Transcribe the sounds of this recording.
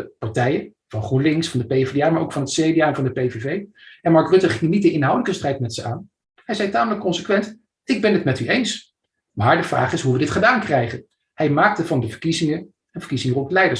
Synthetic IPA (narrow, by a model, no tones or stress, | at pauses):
əpɑɹtɛjə | v̥ɑnχunlɪŋsfɑndəpejvdamaːɹowkfɑnɦətsejdijaːɛnvɑndəpejvevej | ɛnmɑɹkrɵtəχɪŋnit̚dəɪnɦɑwdələkəstrɛjtmɛtsəaːn | hɛjzɛjtaːmələkːɔnsəkʋɛnt | ɪɡ̚bɛnətmɛtyejns | maːɹdəv̥ra̰ːχɪsɦuʋədɪtχədaːnkrɛjχən | hɛjmaːk̚təvɑndəvəɹkizɪŋə | ənvəɹkizɪŋrɔtlɛjdəɹ